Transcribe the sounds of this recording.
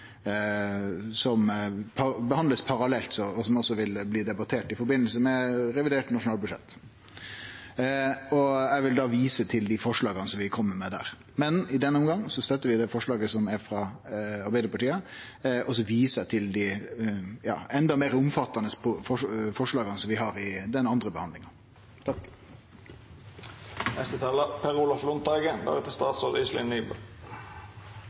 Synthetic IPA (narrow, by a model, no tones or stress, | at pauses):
sɔmpʰɑbəhɑnd̪ləspʰɑɾɑlɛlt̪sɔɔsɔmɔsɔʋɪlbliːd̪ɛbɑt̪ʰeːʈɪfɔɾbɪnəlsəmɛɾɛʋɪd̪eːʈnɑʂʊnɑːlbʉʂɛ̰t̪ː | ɔɛʋɪld̪ɑːʋiːsət̪ʰɪld̪ifɔʂɭɑːɡɑnəsɔmʋɪkʰɔmːəmɛd̪æ̰ːɾ | mɛnɪd̪ɛnəʊmɡɑŋːsɔst̪œt̪ːəɾʋɪd̪ɛfɔʂɭɑːɡəsɔmæɾfɾɑɑɾbæɪd̪əpɑʈiːə | ʔɔs̬ɔʋiːsət̪ʰɪld̪i | jɑ̰ːɛnd̪ɑmeːɾʊmfɑt̪ːɑnəspʰɔfɔfɔʂɭɑːɡɑnəsɔmʋɪɦɑɾɪd̪ɛnɑnd̪ɾəbəhɑnd̪lɪŋɑ | nɛst̪ət̪ʰɑːləpʰɛʁuːlɑflʊnt̪ɑːɡəb̪ɑ̰ːɡət̪ʰɪst̪ɑːt̪sɔʁd̪islɪ̰nyːbə̰